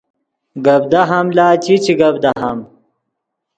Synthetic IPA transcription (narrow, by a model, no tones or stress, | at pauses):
ɡɐb̚d̪ɐɦɐmlaːt͡ɕit͡ɕiɡɐbd̪ɐɦɐm